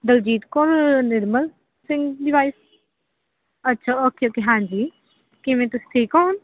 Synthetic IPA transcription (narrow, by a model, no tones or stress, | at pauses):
d̪əld͡ʒiːt̪kɔɾnɪɾməl | sɪ̃ŋɡdɪʋaːis | ətːʃʰaːoːkeokeɦãːɲd͡ʒiː | kɪmẽːt̪ʊst̪ʰeːkaːn